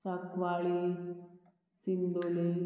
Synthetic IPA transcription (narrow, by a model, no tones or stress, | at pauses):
sakʋaɭi | sind̪oli